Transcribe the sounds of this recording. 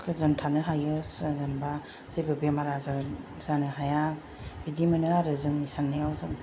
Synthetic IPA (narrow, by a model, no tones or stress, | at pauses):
kʰɯzɯntʰanɯɦajɯszɯnba | zebɯbemaɾazaɾ | z̥anɯɦaja | bidimanɯaɾɯzɯŋnisanːɯjawzɯŋ